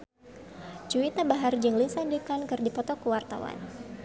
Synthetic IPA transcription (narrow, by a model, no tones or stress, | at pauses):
d͡ʒuit̪abaɦard͡ʒɨŋlisandikankɨrdipɔt̪ɔkəwart̪a̰wa̰n